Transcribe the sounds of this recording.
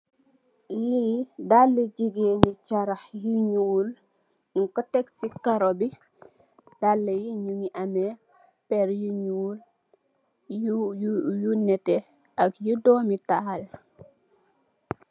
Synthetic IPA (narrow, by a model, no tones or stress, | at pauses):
jidalːəɟiɡenit͡ʃaɾaxjiɲuːl | iŋkɔtɛksikaɾobi | d̥alːɛjiɲuŋiʔamɛ | pɛɾjiɲuːl | jjunɛtɛ | ʔakjidɔmital